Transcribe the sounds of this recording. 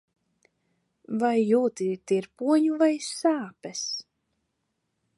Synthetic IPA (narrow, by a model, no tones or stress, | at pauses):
vajːuːt̪it̪iɾpuɔɲuvajsaːpɛs